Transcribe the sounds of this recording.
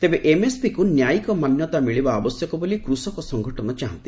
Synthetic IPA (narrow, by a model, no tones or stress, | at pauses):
t̪ebeʔemespikunjajkɔmanjɔt̪amiɭibaːbɔsjɔkɔbolikɾusɔkɔsɔŋɡʱɔʈɔnɔt͡ʃaɦɔ̰nt̪i̥